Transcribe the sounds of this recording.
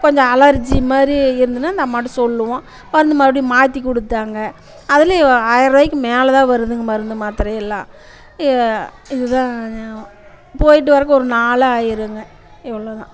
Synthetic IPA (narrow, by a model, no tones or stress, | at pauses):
kɔɲd͡ʒɔ̃ɐlɐɾd͡ʒimaːd̪ɾiɪɾɯnd̪ɯnːaːɪnd̪ɐmaːʈːĩsɔlːɯʋõ | ʋɐɾɯnd̪ɐmaːɽimaːɾt̪ːikɔɽɯt̪ːaːŋɡɐ | ɐðɪlɐaːjɐɾɐːjɪkːɯmeːlɐt̪ãːʋɐɾɯðɯŋɡɐmɐɾɯnd̪ɯmaːt̪ɪɾɐ̃ɛlːã̰ː | ɪðɯt̪ãː | poːjɪʈ̬ːɯʋɐɾɐkːɯɔɾɯnaːɭɐaːjɪɾɯŋɡɐ | ɛʋːɐɭoːt̪ã̰ː